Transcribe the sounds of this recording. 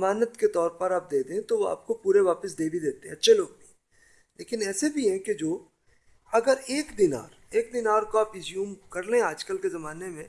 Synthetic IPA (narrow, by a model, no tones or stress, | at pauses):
maːnət̪ket̪ɔːɾpɐɾaːp̚d̪eːd̪eɦɛ̃t̪oʋoa̰ːp̚kopuːɾeʋaːpəsd̪eːbʱid̪eːt̪eɦɛ̰̃ɐtːʃʰeloːɡ̚bʱiɛ̃ | leːkɪnɛːsebʱiɦɛ̃ked͡ʒoː | ɐɡəɾeːkd̪ɪna̰ːɾ | eːk̚d̪ɪnaːɾkoaːpɪzjuːmkɐɾleɦɛ̃aːd͡ʒkəlkezɐmaːnemẽ